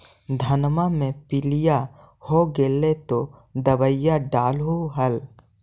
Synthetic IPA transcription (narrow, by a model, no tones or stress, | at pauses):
d̪ʱɐnmamẽpɪlija | hoɡeːlet̪od̪əbəjaɖaːlɦuɦəl